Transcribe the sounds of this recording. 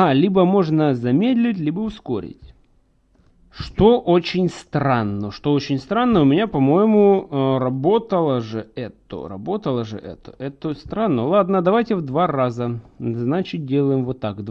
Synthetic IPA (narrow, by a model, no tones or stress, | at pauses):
alʲibəmo̞ʐnəzɐmʲed̪ʲlʲɪtʲlʲibəʊsko̞̰ɾʲɪ̰tʲ | ʂt̪oʔot͡ɕɪnʲst̪ranːəʂt̪oot͡ɕɪnʲst̪ɾanːəʊmʲɪnʲapɐmo̞jɪmʊərɐbo̞t̪əlˠəʐɨɛt̪ə̰rɐ̰bo̞t̪əlˠəʐɨ̰ʔɛ̰t̪ə̰ʔɛt̪əst̪ɾanːəlˠad̪nəd̪ɐvajtʲɪvd̪varazəznat͡ɕɪt̪̚dʲelˠəjɪmvot̪ːakd̪